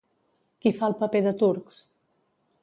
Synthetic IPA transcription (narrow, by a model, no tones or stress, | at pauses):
kifalˠpəpeðət̪uɾks